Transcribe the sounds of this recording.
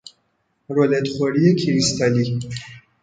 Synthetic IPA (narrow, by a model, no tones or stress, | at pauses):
ɾolet̪χoɾijekʰiɾist̪ʰali